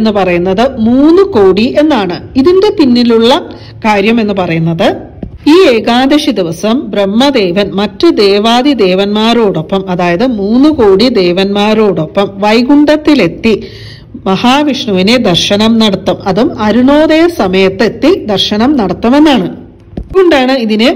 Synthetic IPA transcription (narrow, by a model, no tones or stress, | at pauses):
enːupɐrɐjunːɐðɨmuːnːukoːɽiʔe̞nːaːɳɨiðindepinːiluɭːɐ | kaːɾjɐme̞nːɨpɐrɐjunːɐðɨ | iːeːɡaːd̪ɐɕid̪iʋɐsɐmbrɐmːɐd̪e̞ːʋɐnmɐtːɨd̪eːʋaːd̪id̪e̞ːʋɐnmaːɾo̞ːɽo̞pːɐmɐðaːjɐðɨmuːnːuko̞ːɽid̪e̞ːʋɐnmaːɾo̞ːɽo̞pːɐmʋɐjɡuɳɖɐt̪ːile̞t̪ːi | mɐhaːʋiʂɳuʋine̞d̪ɐrɕɐnɐmnɐɽɐt̪ːumɐðumɐɾuɳo̞ːðɐjɐsɐmɐjɐt̪ːe̞t̪ːid̪ɐrʂɐnɐmnɐɽɐt̪ːume̞nːaːɳɨ | ɡuɳɖaːɳɨiðinɨ